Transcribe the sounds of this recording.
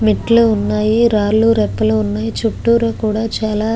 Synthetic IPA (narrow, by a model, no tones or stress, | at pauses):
miʈːluunːaːjiɾaːɾluɾɛpːɐluunːaːjit͡ʃuʈːuːɾɐkuːɽaːt͡ʃaːlaː